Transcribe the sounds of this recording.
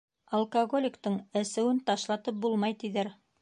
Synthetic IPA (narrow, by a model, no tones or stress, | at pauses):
ɐlˠkɐɡo̞lʲɪkt̪ɤɴɘ̆sɘ̆wɘnt̪ɑʃlˠɑt̪ɤp̚bulˠmɑjt̪iðæɾ